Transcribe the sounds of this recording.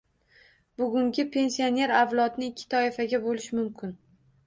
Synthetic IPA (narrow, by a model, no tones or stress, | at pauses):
bʊɡʲʊŋɡʲɪpʰe̞nsijone̞ɾavlˠɒt̪nɪɪkʲʰːɪ̥t̪ʰɒɪfaɡʲabolɪʃmʊmkʲʰɪn